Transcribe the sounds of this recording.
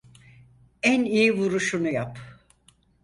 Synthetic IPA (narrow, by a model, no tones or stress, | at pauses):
ænijivuɾuʃunujap